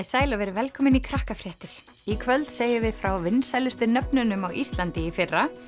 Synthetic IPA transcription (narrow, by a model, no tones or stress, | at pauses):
ðsaːjlavɛːɾɪvɛlkʰɔːmɪnikʰɾahkafɾjɛht̪ɪɾ̥ | ikʰvœlt̪seːjɪvɪðfɾawvɪnːsajlʏst̪ʏɾnœpnʏnʏmawʔist̪lant̪ɪifɪrːa